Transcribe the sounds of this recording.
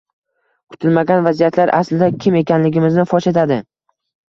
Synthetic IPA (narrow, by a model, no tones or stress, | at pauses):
kʰʊ̥t̪ʰɪlmaɡʲanvazijat̪ʰlaɾʔa̰slɪd̪akʲʰɪme̞kʲʰanlɪɡʲɪmɪznɪfɒʃet̪ʰad̪ɪ